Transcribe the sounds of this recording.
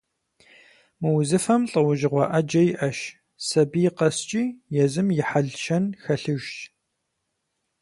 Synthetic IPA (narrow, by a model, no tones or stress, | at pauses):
mɨwzɨfɐmɬʼɐwʊʒɪʁʷɑʔɐd͡ʒɐjɪʔɐʃ | sɐbijɪqɐst͡ʃʼiːjɛzɨmjɪħaɮʃɐnxɐɬɨʒt